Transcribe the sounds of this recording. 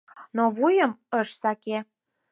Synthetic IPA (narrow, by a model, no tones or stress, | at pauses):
noβujəməʃsɑke